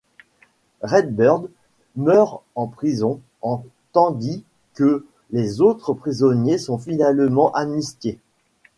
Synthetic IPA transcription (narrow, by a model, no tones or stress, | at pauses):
ʁɛd̪̚bœʁd̪ | mœʁɑ̃pχizɔ̃ | ɑ̃ | t̪ɑ̃d̪i | kə | lezot̪χəpχizɔnjesɔ̃finalmɑ̃ʔamnisk̪ʲe